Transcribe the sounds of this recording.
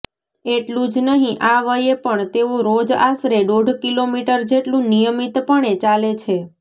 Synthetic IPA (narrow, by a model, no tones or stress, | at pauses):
eʈlũd͡ʒnəɦĩʔaʋəjepəɳt̪eũɾod͡ʒasɾeɖoɖʱkilomiʈəɾd͡ʒeʈlũnijəmit̪pəɳ̃et͡ʃalet͡ʃʰe